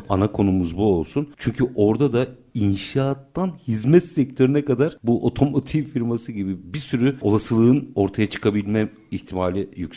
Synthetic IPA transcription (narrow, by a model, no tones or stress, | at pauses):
anakʰo̞numuzbuo̞lˠsunt͡ʃʰyɲcʰyʔo̞ɾd̪ad̪ainʃaːt̪ːanhizmɛt̪sːɛc̚t̪ʰø̞ɾynɛkad̪aɾ̥buʔo̞̰t̪ʰo̞mot̪ʰifiɾmasɯɟibibisyɾyo̞lˠasɯlˠɯɯno̞ɾt̪ʰajat͡ʃʰɯ̥kʰabilʲmɛ | içt̪ʰimaːlʲijycs